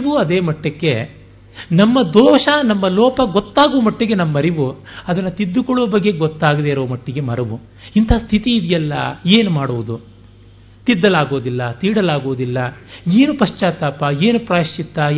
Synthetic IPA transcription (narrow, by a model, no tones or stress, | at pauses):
ʋuɐd̪e̞ːmɐʈːɐkːe | nɐmːɐd̪ɔːʂɐnɐmːɐlɔːpɐɡot̪ːaːɡuʋɐmɐʈːiɡe̞nɐmːɐɾiʋuɐd̪ɐnːɐt̪id̪ːukɔɭːuʋɐbɐɡːeɡɔt̪ːaːɡɐd̪eiɾɐʋɐmɐʈːiɡe̞mɐɾɐʋu | int̪ʰɐaːst̪ʰit̪iːd̪ijɐlːɐ̰eːnumaːɽuʋud̪u | t̪id̪ːɐlaːɡoːd̪ilːɐt̪iːɽɐlaːɡoːd̪ilːɐeːnupɐʂt͡ʃaːt̪aːpɐeːnupɾaːʃt͡ʃit̪ːɐ